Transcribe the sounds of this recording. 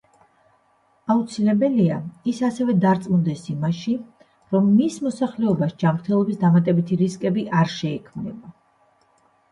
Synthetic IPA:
aut̪sʰilɛbɛliaisasɛvɛd̪aɾt̪sʼmund̪ɛsimaʃi | ɾɔmːismɔsaχlɛɔbaʃd͡ʒamɾt̪ʰɛlˠɔbisd̪amat̪ʼɛbit̪ʰiɾiskʼɛbiʔaɾʃɛikʰmnɛba

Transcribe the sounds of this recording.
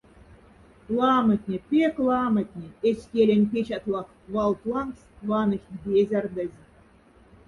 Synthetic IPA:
lˠɑmə̆t̪ʲnʲepʲeklˠɑmət̪ʲnʲeesʲkʲelʲĕnʲpʲet͡ɕɑt̪lˠɑx | vɑlt̪lˠɑŋksvɑnə̆xʲt̪ʲbʲezʲard̪əzʲ

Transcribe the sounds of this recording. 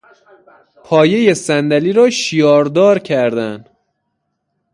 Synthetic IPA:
pʰɒːje̞je̞sænd̪æliːɾɒːʃijɒːɾd̪ɒːɾcʰæɾd̪æn

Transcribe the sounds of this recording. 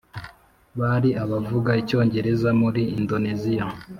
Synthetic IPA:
βaɾiʔaβavuɡaico̞ːɲɟe̞ɾe̞zamuɾiːndo̞nezija

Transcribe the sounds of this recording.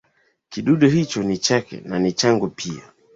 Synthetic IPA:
kiɗuɗuɦit͡ʃɔnit͡ʃakɛ̰nanit͡ʃaŋɡupʰia̰

